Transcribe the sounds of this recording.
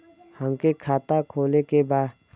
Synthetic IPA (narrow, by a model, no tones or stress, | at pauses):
həmkekʰaːt̪akʰoːlekebaːd̪